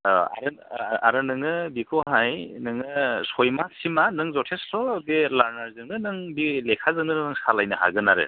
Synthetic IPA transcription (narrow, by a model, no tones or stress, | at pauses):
a̰ɾɯa̰ɾɯnɯŋɯbikʰoɦajnɯŋɯsojmasimanɯŋzɔtʰesɾɔbelaɾnaɾzɯŋnɯnɯŋbilekʰazɯŋnɯnɯnɯŋsalajnɯha̰ɡɯnaɾɯ̰